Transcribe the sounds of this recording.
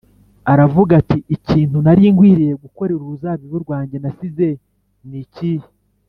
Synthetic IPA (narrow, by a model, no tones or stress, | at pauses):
aɾavuɡatiiciːntunaɾiːŋɡwiːɾije̞ɡuko̞ɾeɾuuzaβiβuɾɡwaːɲɟe̞nasize̞ | nicihi